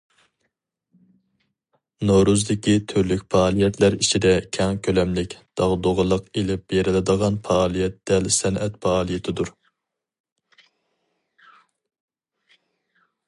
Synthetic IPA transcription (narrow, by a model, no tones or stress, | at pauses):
nowɾuzd̪ɪkʲit̪ʰøɾlykʲpʰɑːlˠijɛt̪ʰlæɾit͡ʃʰid̪ɛkʲʰɛŋkʲʰølɛmlɪkʲd̪̥ɑʁd̪oʁəlˠəqelɪp̚jeɾɪlɪd̪əʁɑnfɑːlˠijɛt̪d̪ɛlsɛnɛt̪pʰɑɑːlˠijet̪ʰɪd̪uɾ